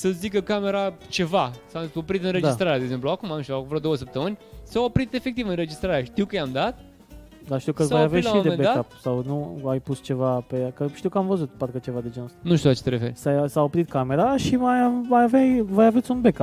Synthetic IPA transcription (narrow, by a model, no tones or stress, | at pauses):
səzikəkame̞ɾat͡ʃe̞vasao̞pɾit̪ɨnɾed̪iast̪ɾaɾead̪eɡze̞mpluakumamʃakvɾat̪d̪owəs̬əp̚t̪əmɨnʲsaopɾit̪e̞fe̞k̚t̪ivɨnre̞d͡ʒist̪ɾaɾeaʃt̪iwkəjamd̪at̪̚ | d̪aʃt̪iwkəsavajaveit̪laiod̪emebed̪aaapsawnuajpust͡ʃe̞vapekəʃt̪iwkəamvəzut̪̚paɾkət͡ʃe̞vad̪ed͡ʒenst̪anuʃt̪iulat͡ʃet̪eɾefe̞ɾʲsajsaopɾit̪̚kame̞ɾaʃimajmajavajvəjavet̪sʲunbekap